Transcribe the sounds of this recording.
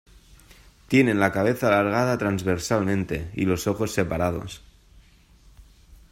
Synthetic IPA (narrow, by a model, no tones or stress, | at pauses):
t̪jene̞nlakaβ̞e̞θaːlaɾɣ̞að̞at̪ɾanzβeɾsalmẽnt̪e̞ḭlo̞so̞xo̞sːe̞paɾað̞o̞̰s